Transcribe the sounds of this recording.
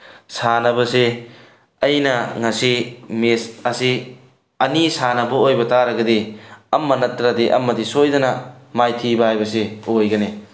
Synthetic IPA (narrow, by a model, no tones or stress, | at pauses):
sanɐbɐse | ɐjnɐŋɐsimesɐsi | ɐnisanɐbɐojbɐtaɾɐɡɐdiɐmːɐnɐtɾadiʔɐ̰mːɐdisojdɐnɐmajtʰibɐɦajbɐseojɡɐne